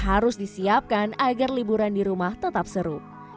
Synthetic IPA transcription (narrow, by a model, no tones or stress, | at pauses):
ɦaɾʊsdisiap̚kanaɡarlibuɾandiɾumaht̪ət̪ap̚səɾu